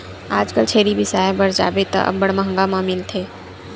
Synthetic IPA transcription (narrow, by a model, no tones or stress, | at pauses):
aːd͡ʒkəlt͡ʃʰeːɾibʱɪsaːebɐɾd͡ʒa̰ːbet̪a̰ʔɐ̰bːɐɽmɐɦə̃ŋɡamaːmɪlt̪ʰeː